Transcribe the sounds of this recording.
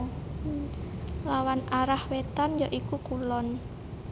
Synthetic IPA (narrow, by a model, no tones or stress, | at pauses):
lawanaɾahwet̪anjɔʔikukulɔn